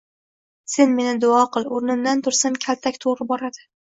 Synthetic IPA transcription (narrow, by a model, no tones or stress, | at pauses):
se̞nme̞nɪd̪ʊɒqɨlˠoɾnɪmd̪ant̪ʰʊɾsamkʲʰalt̪ʰakʲt̪ʰoɾɪbɒɾad̪ɪ